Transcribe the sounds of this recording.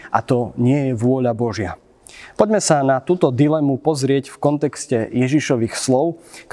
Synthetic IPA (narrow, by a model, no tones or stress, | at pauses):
ʔa̰t̪ɔɲɪɛjɛʋʊɔʎabɔʒɪa | pɔɟmɛsanat̪uːt̪ɔd̪ilɛmupɔzɾɪɛcfkɔnt̪ɛkscɛjɛʒiʃɔʋiːxslɔʊk